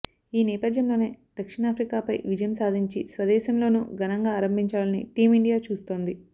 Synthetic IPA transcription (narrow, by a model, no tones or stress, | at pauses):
iːnɛːpɐd̪jɐmlo̞ːne̞ːd̪̥ɐkʂiɳaːpʰɾikaːpɐjʋid͡ʒɐjɐmsaːd̪ʱiɲt͡ʃḭsʋɐd̪ɛːsɐmlo̞ːnṵɡɐnɐŋɡaːɾɐmbʱiɲt͡ʃaːlɐnḭʈiːmiɳɖijaːt͡ʃuːst̪o̞ːnd̪i